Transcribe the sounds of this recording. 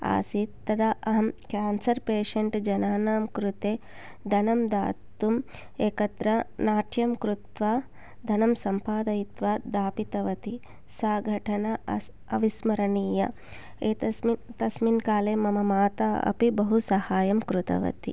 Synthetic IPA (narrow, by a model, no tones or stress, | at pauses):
a̰ːsit̪ːɐd̪ɐʔɐɦɐmkaːnsɐɾpeːʂɐɳʈd͡ʒɐnaːnaːmkɾut̪eː | d̪ʱɐnɐmd̪a̰ːt̪um | eːkɐt̪ɾɐnaːʈʰjɐmkɾut̪ʋaː | d̪ʱɐnɐmsɐmpaːd̪ɐjit̪ʋaːd̪aːpit̪ɐʋɐt̪i | saːɡʱɐʈʰɐnɐɐ | ɐʋismɐɾɐniːjɐ̰ | eːt̪ɐmit̪ɐsminkaːleːmɐmɐmaːt̪aɐ̰pibɐɦusɐhaːjɐmkɾut̪ɐ̰ʋɐ̰t̪i